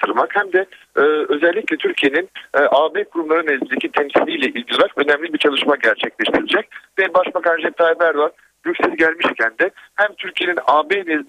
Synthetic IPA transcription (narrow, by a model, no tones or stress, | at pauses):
t̪ʰɯɾmakhæmd̪ɛː | ø̞zɛlʲːiclʲɛt̪ʰyɾcʰijeninʔaːbekʰuɾumlˠaɾɯnɛzlind̪ecʰit̪ʰɛmsilʲijlʲɛʔilʲɟilˠɾakø̞nɛmlʲibiɾt͡ʃʰalˠɯʃmaɟæɾt͡ʃʰɛclʲɛʃt̪ʰiɾilʲd͡ʒɛc̚vɛbaʃbakʰanʒɛp̚t̪ʰajbæɾd̪at̪ | jøcsɛzɟælʲmiʃcʰænd̪ɛhæmt̪ʰyɾcʰijeninaːbenɛz